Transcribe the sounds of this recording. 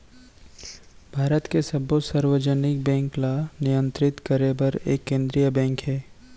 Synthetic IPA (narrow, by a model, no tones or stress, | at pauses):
bʱaːɾət̪kesɐbosaɾwəd͡ʒənɪk̚bɛ̃ːŋklanɪjə̃nt̪ɾɪt̪kəɾebɐɾḛːkːẽːnd̪ɾijəbɛ̃ːŋkɦɛː